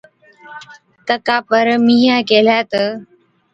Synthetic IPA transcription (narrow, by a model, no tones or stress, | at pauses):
t̪əkapəɾmijãkeljat̪ə